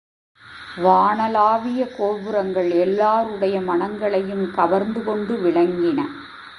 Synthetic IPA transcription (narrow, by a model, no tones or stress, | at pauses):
ʋaːɳɐlaːʋɪjɐkoːʋɯɾɐŋɡɐɭɛlːaːɾɯɽɐjɐmɐɳɐŋɡɐɭɐjɯmkɐʋɐɾnd̪ɯkɔɳɖɯʋɪɭɐŋɡɪnɐ̰